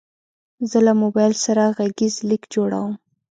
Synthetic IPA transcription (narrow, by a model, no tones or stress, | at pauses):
zəlamobajlsaɾaɣaɡizlikd͡ʒoɽa̰wəm